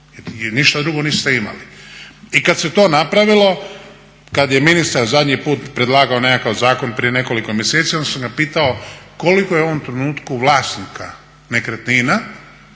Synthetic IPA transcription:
jniʃt̪ad̪ɾuɡo̞niːst̪eima̰liikad̪se̞t̪o̞ːnapɾaʋilo̞ | kad̪je̞minist̪aɾzad̪ɲipuːt̪pɾe̞d̪lˠaːɡaone̞kakaʋzaːko̞npɾije̞ne̞ko̞likomjeset̪sio̞nd̪samɡapiːt̪aokolikojeo̞ʋo̞mt̪ɾe̞nuːt̪kuʋlaːst̪nikʰa | ne̞kɾet̪nina

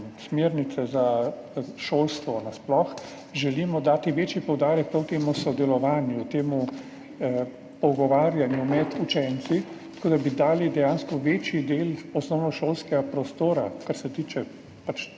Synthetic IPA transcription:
smeːɾnit̪sɛza | ʃoːlst̪ʋɔnasplɔx | ʒɛlimɔd̪aːt̪iʋeːt͡ʃipɔwd̪aːɾɛk̚pɾawt̪eːmusɔd̪ɛlɔʋaːnjut̪eːmu | pɔwɡɔʋaːɾjanjumɛd̪ut͡ʃɛnt̪sit̪ɐ̥koːd̪abid̪aːlid̪ɛjanskɔʋeːt͡ʃjid̪eːlɔsnɔwnɔʃoːlskɛɡapɾɔst̪oːɾa̰kaɾsɛt̪iːt͡ʃɛ | pat͡ʃ

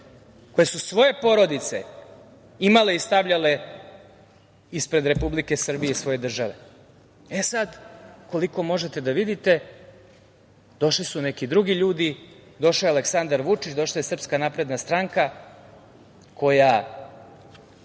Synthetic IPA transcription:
ko̞je̞susʋo̞je̞po̞ɾo̞d̪it̪se̞̰ | imale̞ist̪aʋʎale̞ | ispɾe̞d̪ɾe̞publike̞sr̩bije̞isʋo̞je̞d̪r̩ʒaʋe̞ | esad̪ko̞liko̞mo̞ʒe̞t̪e̞d̪aʋid̪it̪e̞ | d̪̥o̞ʃlisune̞kid̪ɾuɡiʎuːd̪id̪o̞ʃliale̞ksand̪aɾʋut͡ʂit͡ɕd̪o̞ʃlˠaje̞sr̩pskanapɾe̞d̪nast̪ɾaŋka | kʰo̞ja

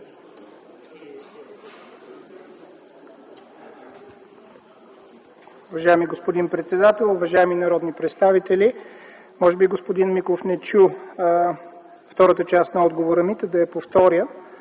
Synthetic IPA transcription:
ʊvɐʒaɛmiɡospod̪inpɾɛt̪sɛd̪at̪ɛlˠʊvɐʒaɛminɐɾɔd̪nipɾɛt̪st̪avit̪ɛli | mɔʒɛbiɡospod̪inmiklˠofnɛt͡ʃu | ft̪ɔɾət̪ət͡ʃast̪nɐɔd̪ɡovoɾəmit̪əd̪ɐɛpoft̪ɔɾjə

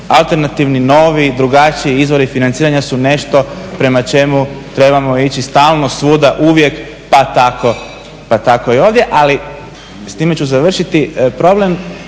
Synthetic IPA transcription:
alˠt̪e̞ɾnat̪iʋnino̞ːʋid̪ɾuɡat͡ʃiiizʋo̞ɾifinant̪siːɾaɲasune̞ʃt̪o̞pɾe̞mat͡ʃe̞mut̪ɾe̞bamo̞it͡ɕist̪aːlˠnosʋud̪aʔuʋje̞k | pat̪ako̞ | pat̪ako̞io̞ʋd̪je̞ʔali | st̪iːme̞t͡ɕuzaʋr̩ʃit̪ipɾo̞ble̞m

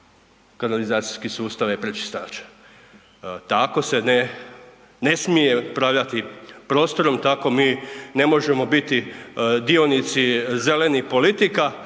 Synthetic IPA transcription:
kanalizaːt̪si̥jskisuːst̪aʋjepɾet͡ʃi̥st̪aːt͡ʃe̥ | t̪ako̞se̞ne | ne̞smijepɾaʋʎat̪ipɾo̞ːst̪o̞ɾo̞mt̪ako̞miːne̞mo̞ʒe̞mo̞bit̪id̪io̞nit̪sizele̞nixpo̞lit̪ika

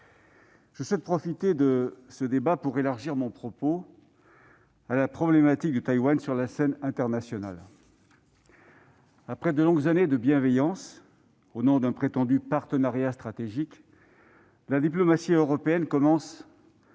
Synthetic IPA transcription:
ʒ̥əswɛt̪̚pχɔfit̪ed̪əsəd̪ebapuʁelaʁʒiʁmɔ̃pχɔpo | alapχɔblemat̪ik̚d̪ət̪ajwansyʁlasɛnɛ̃t̪ɛʁnasjɔna̰l | apχɛd̪əlɔ̃ɡzaned̪əbjɛ̃vɛjɑ̃s | onɔ̃d̪ɛ̃pχet̪ɑ̃d̪ypaʁt̪ənaʁjast̪χat̪eʒik | lad̪iplɔmasiøʁɔpeɛnkɔmɑ̃s

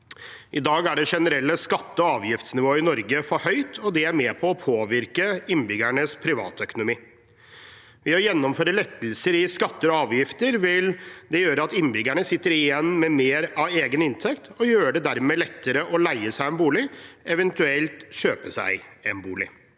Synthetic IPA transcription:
ʔɪd̪ɑːɡæɖɛʂɛnəɾɛlːəskɑt̪ːəɔɑːʋjɪft̪snɪʋoːɪnɔɾɡəfɔɾhœʏt̪ʰɔd̪ɛæɾmɛːpʰɔɔpʰoːʋɪɾkəɪnːbʏɡæɳəspʰɾɪʋɑ̰ːt̪œkʊnʊmiː | ʋɛɔjɛnːɔmføːɾəlɛt̪ːəlsəɾɪskɑt̪ːəɾɔɑːʋjɪft̪əɾʋɪld̪ɛjøːɾəɑt̪ɪnːbʏɡæɳəsɪt̪ːəɾɪjɛnːmɛmeːɾɑʋeːɡənɪnt̪ʰɛkt̪ɔjøːɖɛd̪æɾmɛlɛt̪ːəɾəʔɔlæɪəsæɪɛnbuːlɪɛʋɛnt̪ʉɛlt̪ɕøːpəsæ̰ɪɛnbuːlɪ

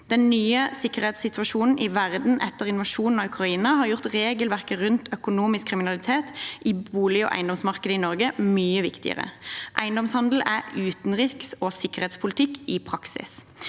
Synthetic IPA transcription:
d̪̥ɛnnyːəsɪkːəʁhɛːt̪sɪt̪ʰʉʋɑʃuːnn̩ʔɪʋæʁd̪n̩ʔɛt̪ːəʁɪnʋɑʃuːnn̩ɑʉkʰʁɑiːnɑhɑʁjʊʁt̪ʁeːɡəlʋæʁkəʁʉnt̪ʰœkʊnuːmɪskʰːʁɪmɪnɑlɪt̪ʰeːt̪ʔɪbuːlɪɔ̰ːʔæ̰ɪnd̪ɔmsmɑʁkəd̪əɪnɔʁɡəmyːəʋɪ̰kt̪ɪ̰ə̰ʁə̰ʔæɪnd̪ɔmshɑnd̪l̩æʉːt̪nʁiːksɔsɪkəʁheːt̪spʰʊlɪt̪ʰɪkːɪpʰʁɑksɪ̰s

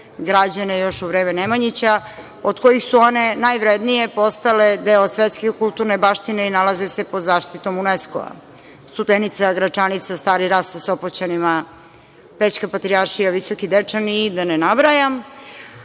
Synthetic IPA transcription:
ɡɾad͡ʑanejo̞ʃuʋɾeːmenemaɲit͡ɕa | od̪̥ko̞jixsuo̞ne̞najʋɾed̪nije̞po̞st̪aled̪eosʋet̪skekulˠt̪uɾnebaʃt̪ineinalazesepo̞d̪zaːʃt̪it̪o̞munesko̰a̰ | st̪ud̪enit̪saɡɾat͡ʃanit̪sast̪aːɾiɾassasopot͡ɕanima | pet͡ɕkapat̪ɾiaɾʃijaʋisokid̪et͡ʂaniːd̪anenabɾajam

